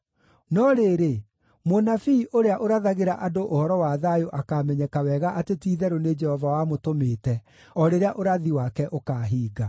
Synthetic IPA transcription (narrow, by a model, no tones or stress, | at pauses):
nɔɾeːɾe | monafiʔoɾeaʔoɾaðaɣeɾaʔadoʔohɔɾɔwaðajoʔakamɛɲɛkawɛɣaʔatetiːðɛɾoned͡ʒɛhɔvawamotomeːtɛ | ɔɾeɾeaʔoɾaðiwakɛʔokaːɦiːɡa